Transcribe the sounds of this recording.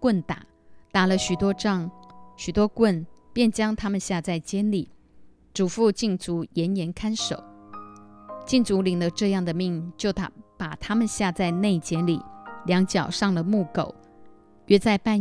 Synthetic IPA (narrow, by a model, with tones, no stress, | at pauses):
kwə˥˩nt̪a̰˨˩˦ | t̪a˨˩lə˧ɕy˨˩t̪wɔ˥ʈ͡ʂɑ˥˧˩ŋɕy˨˩t̪wɔ˥kwə˥˩npjɛ˥˩nt͡ɕjɑ˥ŋt̪ʰa˥mə˨nɕja˥˧t͡sa˥˩ɪt͡ɕjɛ˥nli˨˩˦ | ʈ͡ʂu˨˩fu˥˧t͡ɕi˥˩ŋt͡su˧˥jɛ˧˥njɛ˧˥nkʰa˥nʂo̰˨˩˦ʊ | t͡ɕi˥˩ŋt͡su˧˥li˨˩ŋd̪ə˦ʈ͡ʂɤ˥˧jɑ˥˩ŋd̪ə˩mi˥˩ŋt͡ɕjo˥˩ʊt̪ʰpa˨˩t̪ʰa˥mə˨nɕja˥˧t͡sa˥˧ɪne˥˩ɪt͡ɕjɛ˧˥nli˨˩ljɑ˧˥ŋt͡ɕjɑ˨˩ʊʂɑ˥˩ŋlə˩mu˥˩ko˨˩˦ʊ | ɥɛ˥˧t͡sa˥˧ɪpa˥˧n